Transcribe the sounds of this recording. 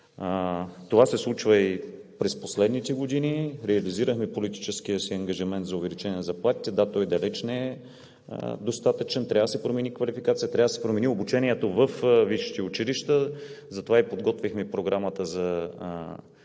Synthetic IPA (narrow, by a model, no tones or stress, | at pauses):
t̪ovasɛslˠut͡ʃvəipɾɛsposlɛd̪nit̪ɛɡod̪iniɾɛɐliziɾəxmɛpolit̪i̥t͡ʃɛsk̟ijəsiɐŋɡɐʒimɛnt̪zɐʊvɛlit͡ʃɛnʲnəzɐplˠat̪it̪ɛd̪at̪ɔjd̪ɐlɛt͡ʃnɛɛ̰ | d̪ost̪at̪ət͡ʃɛnt̪ɾʲjavd̪əsɛpɾomɛnikvɐlifikat̪sijət̪ɾʲavd̪əsɛpɾomɛniobut͡ʃɛniɛt̪ovəfviʃi̥t̪iut͡ʃiliʃt̪əzɐt̪ovaipod̪ɡɔt̪vixmɛpɾoɡɾamət̪əzɐ